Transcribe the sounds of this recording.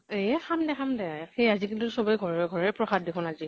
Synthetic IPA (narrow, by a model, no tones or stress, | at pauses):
examdɛxamdɛxejazikintʊsɔbɔjɡʱɔɹɛɡʱɔɹɛpɹɔxad̚dekʰʊnazi